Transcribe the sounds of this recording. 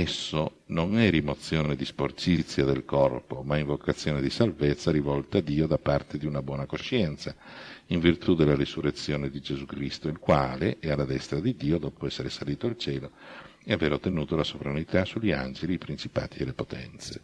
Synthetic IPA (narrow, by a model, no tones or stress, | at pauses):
ɛsːonoŋɛɾimot̪sːjoːned̪isport͡ʃit̪sːjad̪elkɔrpomaiɱvokat̪sːjoːned̪isalvet̪sːaɾivɔlt̪aːd̪ːiːod̪apːart̪ed̪iunabwɔːnakoʃɛnt̪saiɱvirt̪ud̪elːaɾisurːet̪sːjoːned̪id͡ʒezukɾist̪oilkwaːleʔɛalːad̪ɛst̪ɾad̪id̪iːod̪ɔːpoɛsːeɾesaliːt̪oalt͡ʃɛːloeaveːɾot̪ːenuːt̪olasovɾanit̪asuʎːia̰nd͡ʒeliːpɾint͡ʃipa̰ːt̪ielːepot̪ʰɛ̰nt̪se